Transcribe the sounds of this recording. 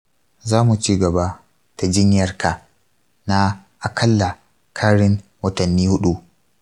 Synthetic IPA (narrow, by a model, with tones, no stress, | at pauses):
zaː˦mu˨t͡ʃiː˦ɡɐ˨ba˦ | ta˨d͡ʒɪ˦ɲjɐ˦˨rka˨ | na˦ | ʔa˨kʰɐ˦lːa˨ | kʰaː˦ɽɪ˦ŋwɐ˦tɐ˨nːiː˦hʊ˦ɗu˦